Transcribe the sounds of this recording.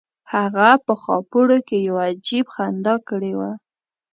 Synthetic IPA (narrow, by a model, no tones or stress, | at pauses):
haɣapəxɑ̰puɽokejawad͡ʒibxand̪ɑkəɽewa